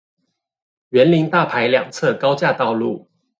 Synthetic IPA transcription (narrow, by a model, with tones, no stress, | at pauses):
ɥɛ˨˦nli˨˦ŋt̪a˥˨pʰa˨˦ɪljɑ̰˨˩ŋt͡sʰɤ˥˨kɑ˥˦ʊt͡ɕja˥˧t̪ɑ˥˧ʊlu˥˨